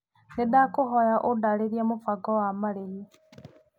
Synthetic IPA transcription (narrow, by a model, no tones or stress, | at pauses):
nedakoɦɔjaʔodaɾeɾjamofaɡɔwamaɾehi